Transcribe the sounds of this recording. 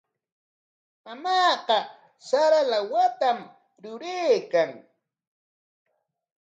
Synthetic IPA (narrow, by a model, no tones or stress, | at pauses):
amɑːqɑ | saɾalawat̪am | ɾʊɾeːkaŋ